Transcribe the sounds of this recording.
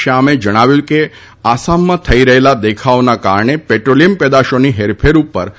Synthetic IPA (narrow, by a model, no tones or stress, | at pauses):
aamed͡ʒəɽ̃aʋjũke | asamːãt̪ʰəiɾəɦelad̪ekʰaonaka̰ɾɳepeʈɾolijəmpɛd̪aʃoniɦeɾpʰeɾupːəɾ